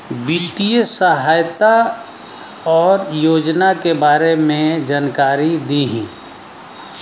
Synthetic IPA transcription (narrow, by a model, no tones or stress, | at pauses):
bit̪ijəsəɦaːjt̪a | ɔːɾjoːd͡ʒnakebaːɾemẽd͡ʒaːnkaːɾid̪iɦɛ̰̃ː